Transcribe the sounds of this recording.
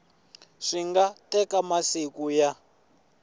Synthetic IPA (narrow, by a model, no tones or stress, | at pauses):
ʂiŋɡatɛkamasikuja